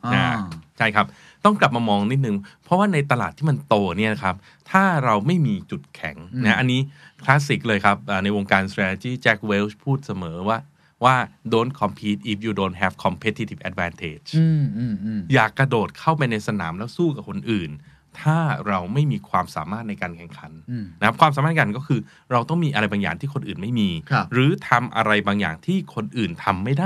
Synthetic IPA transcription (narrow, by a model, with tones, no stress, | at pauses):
a˥˩t͡ɕʰa˥˩jkʰa˦˥p̚ | t̪ɔ˥˩ŋkla˨˩p̚maː˧mɔː˧ŋni˦˥t̪̚nɯ˨˩ŋpʰɾɔ˦˥waː˥˩na˧jt̪a˧laː˨˩t̪ʰːiː˥˩ma˧nt̪oː˧ni˥˩na˧kʰa˦˥p̚ | t̪ʰaː˥˩ɾa˧wma˥˩jmiː˧t͡ɕu˨˩t̪̚kʰɛ˩˦ŋna˦˥ʔa˧nːiː˦˥kʰlaː˦˥si˨˩k̚lɤː˧jkʰa˦˥p̚ʔaː˨˩na˧jwo˧ŋkaː˧nt̪ʰɾɛː˧tɛ˧t͡ɕiː˥˩t͡ɕɛ˦˥k̚we˦˥wspʰuː˥˩t̪̚sa˧mɤː˩˦waː˥˩ | waː˥˩doː˨˦˥nkʰɔ˧mpʰiː˦˥t̪̚ʔi˦˩p̚juː˨˩doː˧˦nt̚ɦɛː˧˩fkʰɔ˧mpʰe˦t̪ʰi˧t̪ʰi˨˩ʔɛ˧t̪̚wɛː˧nt̪ʰeː˨˩t͡ɕː | jaː˨˩kːɾa˧doː˨˩t̪̚kʰa˥˩wpa˧jna˧jsa˧na̰ː˩˦mlɛː˦˥wsuː˥˩ka˨˩p̚kʰo˧nʔɯː˨˩n | t̪ʰaː˥˩ɾa˧wma˥˩jmiː˧kʰwaː˧msaː˩˦maː˥˩t̪̚na˧jkaː˧nkʰɛ˨˩ŋkʰa˨˦nːa˦kʰa˦˥p̚kʰwaː˧msaː˨˦aː˥˩˧ka˨˩kɔː˥˩kʰɯː˧ | ɾa˧wt̪ɔ˥˩ŋmiː˧ʔa˧ɾa˧jbaː˧ŋja̰ː˨˩ŋt̪ʰiː˥˩kʰo˧nʔɯː˨˩nma˥˩jmiː˧ɾɯː˩˨˦t̪ʰa˧mʔa̰˧ɾa˧jbaː˧ŋja̰ː˨˩ŋt̪ʰiː˥˩kʰo˧nʔɯː˨˩nt̪ʰa˧mːa˥˩jdaː˥˩